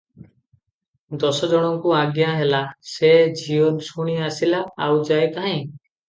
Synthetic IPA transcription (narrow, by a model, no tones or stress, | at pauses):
d̪ɔsɔd͡ʒɔɽ̃ɔŋkuaɡjaɦelased͡ʒiwɔnsuɽ̃iasilaːwd͡ʒajk̪aɦãj